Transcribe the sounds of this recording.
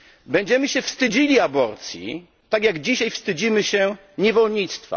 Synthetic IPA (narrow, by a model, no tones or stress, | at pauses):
bɛɲd͡ʑɛmɘɕɛfst̪ɘd͡ʑilʲiabɔɾt̪sʲjḭ | t̪aɡjaɡd͡ʑiɕajfst̪ɘd͡ʑimɘɕɛ | ɲɛvɔlɲit̪st̪fa̰